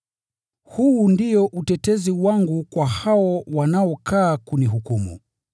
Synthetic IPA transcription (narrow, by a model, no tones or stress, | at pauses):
huːndijɔʔutɛtɛziwaŋɡukwahawɔwanaɔkʰaːkuniɦukumṵ